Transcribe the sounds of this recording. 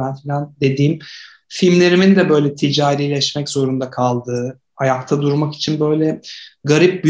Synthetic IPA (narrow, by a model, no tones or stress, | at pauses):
ænfilʲænd̪e̞d̪iːm | filʲmlʲe̞ɾimind̪ɛbø̞jlʲɛt̪ʰid͡ʒaːɾiːlʲɛʃmɛczo̞ɾund̪akʰalˠd̪ɯː | ajakt̪ʰad̪uɾmaki̥t͡ʃʰinbø̞jlʲɛɡaɾip̚b